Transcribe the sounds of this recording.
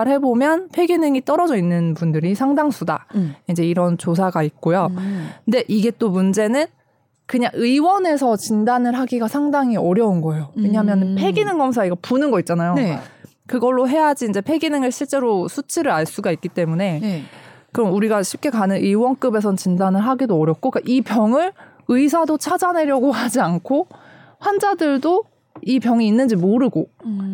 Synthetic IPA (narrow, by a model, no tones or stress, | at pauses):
ɦe̞bomjʌnpʰe̞ɡinɯŋit͈ʌɾʌd͡ʑʌinːɯnpundɯɾisʰaŋdaŋsʰuda̰ind͡ʑe̞iɾʌnt͡ɕosʰaɡait̚k͈ojonde̞ʔiɡe̞t͈omund͡ʑe̞nɯn | kɯɲaŋɯiwʌne̞sʰʌt͡ɕindanɯɭɦaɡiɡasʰaŋdaŋiʌɾjʌunɡʌejowwe̞ɲaɦmjʌnɯnpʰe̞ɡinɯŋɡʌmsʰaiɡʌpunɯnɡʌit̚t͡ɕ͈anajo | kɯɡʌɭːoɦe̞jad͡ʑiːnd͡ʑe̞pʰe̞ɡinɯŋɯɭɕʰiɭt͡ɕ͈e̞ɾosʰut͡ɕʰiɾɯɾaɭs͈uɡaik͈it͈e̞mune̞ | kɯɾʌmuɾiɡaɕʰip̚k͈e̞kanɯnʔɯiwʌnk͈ɯbe̞sʰʌt͡ɕindanɯɭɦaɡidoʌɾjʌp̚k͈ok͈aʔipjʌŋɯɾɭ | ɯis̬ʰadot͡ɕʰad͡ʑane̞ɾjʌɡoɦad͡ʑiankʰo | ɸwand͡ʑadɯɭdo | ipjʌŋiːnːɯnd͡ʑimoɾɯɡo